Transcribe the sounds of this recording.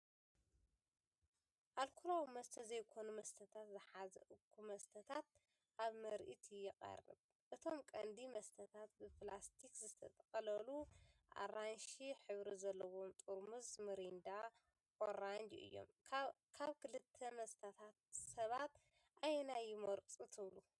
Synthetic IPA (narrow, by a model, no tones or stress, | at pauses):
ʔalkʰulawmɐst̪ʰɐzɐjkʰo̞numɐst̪ʰɐt̪ʰat̪zɨħazɐ̰ʔɨkʰːumɐst̪ʰɐt̪ʰat̪̚ | ʔaβmɐɾʔḭt̪ʰijɪqʼɐ̰rɨ̰β | ʔɨt̪ʰo̞mkʼɐnd̪imɐst̪ʰɐt̪ʰat̪̚bɨplast̪ʰikzɨt̪ʰɐt̪ʼɐqʼɐlɐluʔa̰ɾanʃiħɨβɾizɐlːɐwomt̪ʼuɾmɨzmɨɾind̪a | kʼoɾand͡ʒ̪ʔɨ̰jːo̰m | kʰaβkʰɨlɨt̪ʰːɐmɐst̪ʰat̪ʰat̪̚sɐβat̪ | ʔajnajɪmɐɾt͡sʼut̪ʰɨβlu